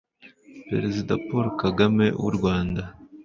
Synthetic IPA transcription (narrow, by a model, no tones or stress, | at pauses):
pɾeɾezidapoɾkaɡame̞wṵɾɡwaːnda